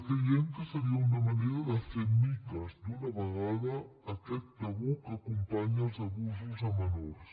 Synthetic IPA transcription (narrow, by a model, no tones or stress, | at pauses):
kɾejeŋk̪əsəɾiəunəməneɾəðəfeɾmikəzd̪unəβəɣaðəː | kɛt̪̚paβukəːkumpaɲəlˠzɐβuzuzəmənos